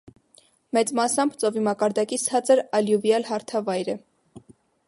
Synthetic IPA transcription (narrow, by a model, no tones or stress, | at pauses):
mɛt͡smɑsɑmbt͡sɔvimɑkɑɾd̪ɑkit͡sʰɑt͡səɾɑljuvjɑlɦɑɾt̪ʰɑvɑjɾə